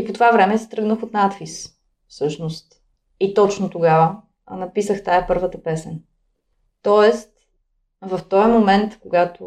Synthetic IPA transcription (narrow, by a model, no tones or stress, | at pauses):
ipot̪ovavɾɛmɛsɛt̪ɾɤɡnəxot̪nat̪fis | fsɤʃnost̪ | it̪ɔt͡ʃnot̪oɡavə | nɐpisəxt̪ajɐpɤɾvət̪əpɛsɛn | t̪ɔɛst̪̚ | vɐft̪ɔjmomɛnt̪koɡat̪o